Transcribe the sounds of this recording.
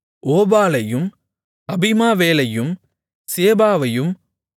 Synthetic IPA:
ʔoːbaːlɐjɯm | ɐbɪmaːʋeːlɐjɯm | seːbaːʋɐjɯm

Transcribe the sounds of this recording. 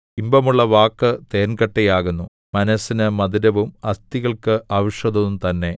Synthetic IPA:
imbɐmuɭːɐʋaːkːɨt̪eːnɡɐʈːejaːɣunːu | mɐnɐsːinɨmɐðiɾɐʋumɐst̪iɣɐɭkɨʔaːʋiʂɐðɐʋumt̪ɐnːe̞

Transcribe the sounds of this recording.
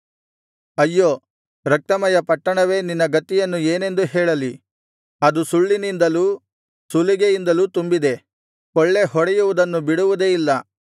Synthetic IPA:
ɐjːoː | ɾɐk̚t̪ɐmɐjɐpɐʈːɐɳɐʋe̞ːninːɐɡɐt̪ːijɐnːueːne̞nd̪uɦɛːɭɐli | ɐd̪usuɭːinind̪ɐlu | sulːiɡejind̪ɐluːt̪umbid̪e̞ | kɔɭːe̞ɦɔɽɛjuʋud̪ɐnːubiɽuʋud̪eilːɐ

